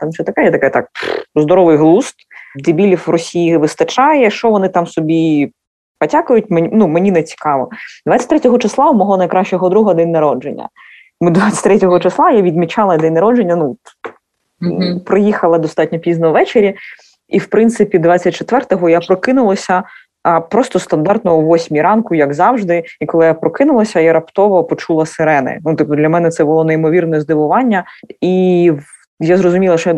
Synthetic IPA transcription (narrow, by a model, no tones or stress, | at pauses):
t̪ɐmuʃt͡ʃɔt̪ɐkɛjɛt̪ɐkɛjt̪ɑ̰k̚zd̪ɔɾɔʋɪjɦlˠust̪d̪ʲɪbʲilʲiwrɔsʲijiʋɪst̪ɐt͡ʃɑjɛʃt͡ʃɔʋɔnɪt̪ɑmsɔbʲi | pɐtʲakʊjʊt̚ʲmenumenʲinɛt͡sʲi̥kɑʋɔ̰d̪̥ʋɑtt͡sʲɐ̥t̪ʲɾɛtʲɔɦɔt͡ʃɪslˠɑʊmɔɦɔnɐjkɾɑʃt͡ʃɔɦɔd̪ɾuɦɔd̪ɛnʲnɐɾɔd͡ʒenʲːɐ̰ | mɪd̪ʋat͡sʲɐ̥tʲt̪ɾɛtʲɔɦɔt͡ʃeslˠɑjaʋʲid̪mʲit͡ʃɑlˠɐd̪ɛnɐɾɔd͡ʒenʲːɐnu | pɾɪjixɐlˠɐd̪ɔst̪ɑtʲnʲɔpʲiznɐwʋɛt͡ʃeɾʲi | iwpɾɪnt̪sɪpʲid̪ʋɑt͡sʲːɐt̚ʲt͡ʃet̪ʋɛrt̪ɔɦɔjapɾɔkɪnʊlˠɐsʲɐ | pɾɔst̪ɔst̪ɐnd̪ɑrt̪nɔɦɔʋɔsʲmʲiɾɑnkʊjɐɡzɑwʒd̪ɪikɔlˠɪjapɾɔkɪnʊlˠɐsʲɐjaɾɐpt̪ɔʋɔpɔt͡ʃulˠɐseɾɛnɪ̰nut̪ɪpʊd̪lʲɐmɛnɛt̪sɛbʊlˠɔnɛimɔʋʲirnɔzd̪ɪʋʊʋɑnʲːɐiw | jazɾɔzʊmʲilˠɐʃɔj